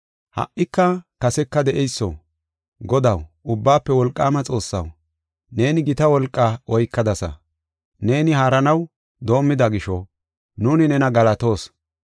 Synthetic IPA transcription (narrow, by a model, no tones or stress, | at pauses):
hɐ̰ʔːɪkːɐkɐsɛkːɐd̪ɛʔɛjsːɔ̰ | ɡɔd̪ɐw | ʊbːaːpːɛwɔlkʼːaːmɐt͡sʼo̞ːsːɐ̰w | ne̞ːnɪɡɪt̪ɐwɔlkʼːɐɔjkːɐd̪ɐsɐ̰ | ne̞ːnɪhaːɾɐnɐw | d̪o̞ːmːɪd̪ɐɡɪʃɔ | nuːnɪnɛnɐɡɐlɐt̪o̞ːs